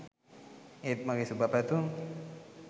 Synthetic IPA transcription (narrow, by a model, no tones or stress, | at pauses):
et̪̚maɡesubapɛt̪u